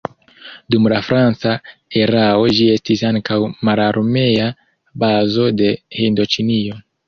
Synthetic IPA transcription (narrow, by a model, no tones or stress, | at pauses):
dumlafɾant͡sae̞ɾao̞d͡ʒie̞stisaŋkawmalaɾme̞ja | bazo̞de̞hindo̞t͡ʃinio̞